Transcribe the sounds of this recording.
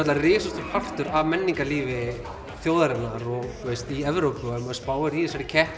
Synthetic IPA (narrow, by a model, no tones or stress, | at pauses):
ɛt̪lðarɪːsʏst̪ʏɾ̥hal̥t̪ʏɾavmɛnːiŋkaliːvɪ | θjoːwðaɾɪnaɾɔɣt̪ʰvejst̪iɛvɾowpʏɛmaspaːwɪɾiːðsaɾɪcʰɛht̪